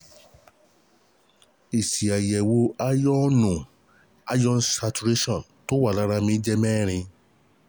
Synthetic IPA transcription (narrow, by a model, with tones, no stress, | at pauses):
i˨si˨a˨jɛ˨wo˧a˦jɔ˦nũ˨ | a˦d͡ʒɔ̃˦n̩˦sa˧tu˧ɾe˦ʃɔ̃˦˨ | to˦wa˦˨la˨˦ɾa˧mĩ˧˦d͡ʒɛ˦mɛ̃ː˦˨ɾ̃ĩ˧